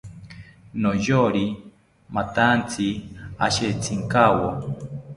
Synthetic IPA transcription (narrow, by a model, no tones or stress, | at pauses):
nojoɾi | mat̪ant͡sʰia̰ʃet͡sʰiŋkawo